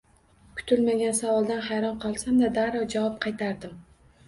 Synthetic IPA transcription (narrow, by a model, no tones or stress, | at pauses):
kʰʊ̥t̪ʰʊlmaɡʲansavɒlˠd̪anhajɾɒnqʰɒlˠsamd̪ad̪aɾɒwd͡ʒavɒp̚qʰɑjt̪ʰaɾd̪ɪm